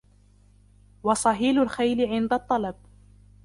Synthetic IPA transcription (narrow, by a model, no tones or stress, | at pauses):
wɑsˤɑɦiːlʊlxajlɪʕɪnd̪at̪ˤːɑlɑb̚